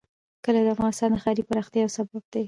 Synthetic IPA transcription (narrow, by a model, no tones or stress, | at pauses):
kəlad̪əafɣɑnɪst̪ɑnd̪əxɑɾipaɾɑxt̪jɑawsabab̚d̪aj